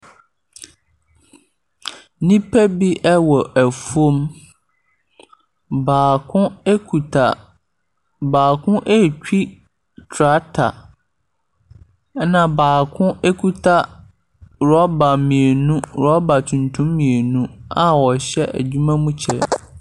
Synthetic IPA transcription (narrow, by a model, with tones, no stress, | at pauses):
nĩ˦pʰæ˦bi˦ʔɛ˦wɔ˨ʔæ˨fu˦o˦m | baː˨kʰʊ̃˦e˦kʰu˨tʰa˨ | baː˨kʰʊ̃˦ʔe˦˨t͡ɕᶣi˦ | tʰɾa˦tʰa̰˨˦ | nã˨baː˨kʰʊ̃˦ʔe˦kʰu˦tʰa˦ | ɾɔ˦ba˨mĩ˨e˨nũ˦ɾɔ˨˦ba˨tʰũ˨ntʰʊ̃˦mːĩ˨e˨nũ˦a˨wɔ˨ɕɛ˦ʔæ̰˨d͡ʑᶣu˦mã˦mũ˦t͡ɕʰɛ˦